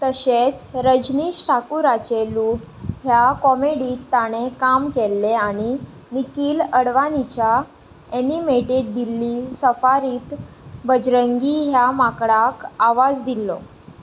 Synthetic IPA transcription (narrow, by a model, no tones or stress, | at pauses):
t̪əɕet͡sɾəd͡ʑniːɕʈʰakuɾat͡ɕeluːʈ | ɦjakɔmeɽiːt̪ːaɽ̃ekamkelːeaɽ̃i | nikiːləɽʋanit͡ɕja | enimeʈeɖ̚d̪ilːiːsəfaɾiːt̪ | bəd͡ʑɾəŋɡiɦjamakɽakaʋad͡zd̪ilːɔ̰